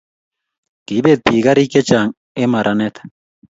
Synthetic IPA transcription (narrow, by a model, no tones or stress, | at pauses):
kibet̪̚piɡaɾiket͡ʃaŋ | emaɾʔanet̪ḁ